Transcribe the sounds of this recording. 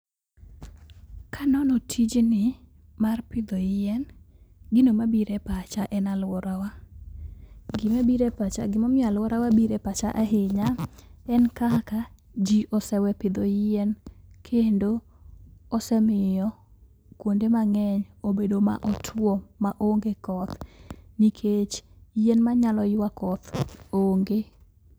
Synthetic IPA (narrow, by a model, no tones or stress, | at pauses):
kʰanɔnɔtʰid͡ʒnɪ | marpɪd̪ɔjɪɛn | ɡɪnomabiɾɛpat͡ʃaʔɛnalwɔɾawa | ɡɪmabiɾepat͡ʃa̰ɡɪmɔmɪalwɔɾawabiɾepat͡ʃaʔaɦeɲaɛnkaka | d͡ʒiʔɔsɛwɛpɪd̪ɔjɛnkʰendo | ɔsɛmɪjɔ | kwondemaŋɛɲobedoma̰ʔɔtʰwɔmaʔoŋɡekɔt̪nikʰet͡ʃ | jenmaɲalɔjɪwakɔt̪oŋɡe